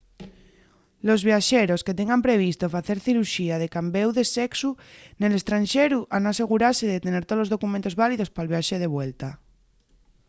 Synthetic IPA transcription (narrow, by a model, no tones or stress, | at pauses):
lo̞zβjaʃeɾo̞ske̞t̪̬eŋɡampɾe̞β̞ist̪o̞faθe̞ɾθiɾuʃiað̞e̞kambewðe̞seksune̞le̞st̪ɾanʃeɾuʔanase̞ɣ̞uɾaɾseðet̪e̞ne̞ɾt̪olo̞zð̞o̞kumẽnt̪o̞zβaliðo̞spalβjaʃeð̞e̞βwelt̪a